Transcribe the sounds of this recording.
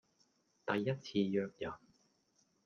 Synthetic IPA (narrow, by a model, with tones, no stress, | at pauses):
t̪ɐ˨jːɐ˥t̚t͡sʰiː˧jœː˧k̚jɐ˨˩n